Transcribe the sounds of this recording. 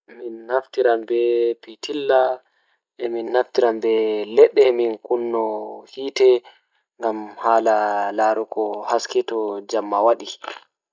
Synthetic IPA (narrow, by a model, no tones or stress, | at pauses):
minhaftiɾambɛpitʰilːa | ʔɛminhaftiɾambɛlɛɗːɛminkunːɔhiːtɛ | ŋɡamhaːlalaːɾukɔhaskɛtɔd͡ʒamːawaɗi